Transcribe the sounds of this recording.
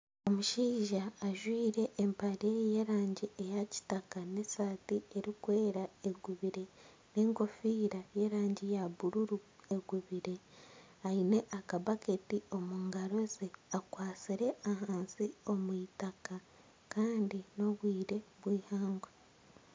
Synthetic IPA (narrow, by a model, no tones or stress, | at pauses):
o̞muʃiːʒaːʒwiːɾe̞ʔːmpaɾeje̞ɾaːɲɟiejaci̥takane̞saːtie̞ɾikwe̞ːɾae̞ɡuβiɾe̞ | ne̞ŋko̞fiːɾaje̞ɾaːɲɟijaβuɾuɾue̞ɡuβiɾe̞ | aine̞ʔakaβaketio̞muŋɡaɾo̞zeakwaːt͡siɾe̞aɦaːnsio̞mwitaka | kaːndino̞βwiːɾe̞βwiːhaːŋɡwe